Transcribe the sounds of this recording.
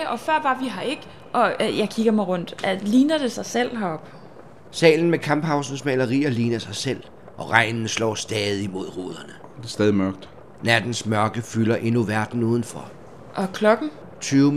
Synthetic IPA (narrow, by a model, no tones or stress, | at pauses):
ʔɒ̽fɶɐ̰b̥ɑ̈ʋiɦɑ̈e̝ɡ̥ | ʔɒ̽jɑ̈ɪkʰiɡ̥ɐmɑ̈ɪʁɔ̽n̰d̥æliːnɐd̥e̝sɑ̈ɪsel̰ɦæɒ̽b̥ | sɛ̰ːln̩mekʰɑ̈mb̥hɑ̈ʊsn̩smɛːlɐʁḭːɐliːnɐsɑ̈ɪsel̰ | ʔɒ̽ʁɑ̈ɪnnəslɒ̰ːsd̥ɛːðˠimo̝ð̞̰ˠʁoð̞ˠɐnəd̥esd̥ɛːð̞ˠimɶɐɡ̥̚d̥ | næd̥n̩smɶɐɡ̥əfylɐʔe̝nuʋæɐd̥n̩uːð̞ˠn̩fɒ | ʔɒ̽kʰlɒ̽ɡ̥n̩ | t͡sʰyːʊ